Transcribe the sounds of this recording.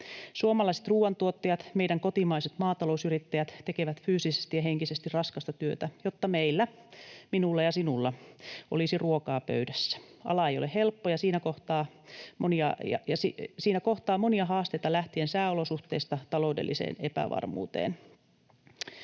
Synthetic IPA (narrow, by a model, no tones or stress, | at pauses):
suomɑlɑiset̪ruːʋɑnt̪uot̪ːɑjɑt̪meidæŋkot̪imɑiset̪mɑːt̪ɑlousyrit̪ːæjæt̪t̪ekeʋæt̪fyːsisest̪ijɑheŋkisest̪irrɑskɑst̪ɑt̪yøt̪æjot̪ːɑmeilːæ | minulːɑjɑsinulːɑʔo̰lisiruokɑːpø̰ydæsːæ̥ɑ̰lɑejolehelpːojɑsiːnækoht̪ɑː | moniɑ̰jɑ̰jɑsisiːnækoht̪ɑːmoniɑɦɑːst̪ejt̪ɑlæht̪iensæːolosuht̪eːist̪ɑt̪ɑloudḛlːisḛːnepæ̰ʋɑ̰rmṵːt̪ḛːn